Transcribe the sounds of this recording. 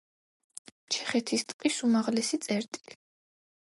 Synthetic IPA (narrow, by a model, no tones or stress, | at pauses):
t͡ʃʰɛχɛt̪ʰist̪ʼqʼisumaʁlɛsit̪sʼɛɾt̪ʼili